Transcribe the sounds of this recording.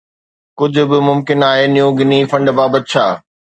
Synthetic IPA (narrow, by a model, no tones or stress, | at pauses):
kʊd͡ʑʱʊ̆bɪmʊmkɪnaːɦeːnijũɡɪnifɐ̃ɳɖbaːbət̪̚t͡ɕʰaː